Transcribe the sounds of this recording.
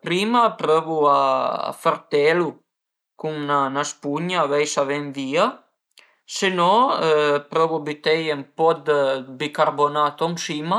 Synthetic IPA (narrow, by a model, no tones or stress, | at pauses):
pɾiːmapɾøvuaa̰faɾt̪ɛlu | kuŋnanaspuɲaːvɛjsavɛnviːa | senɔ | pɾɔvubit̪ɛjempɔd̪bikaɾbonaːt̪ɔŋsiːma